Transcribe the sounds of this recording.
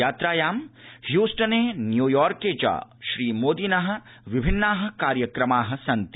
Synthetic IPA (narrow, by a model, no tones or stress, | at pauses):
aːt̪ɾaːjaːmhjuːsʈɐneːnjuːjɔːɾkeːd͡ʒa̰ːʃɾiːmoːd̪iːnɐɦɐ̆ | ʋɪbʱɪnːaːɦɐ̆kaːɾjɐkɾɐmaːɦɐ̆sɐnt̪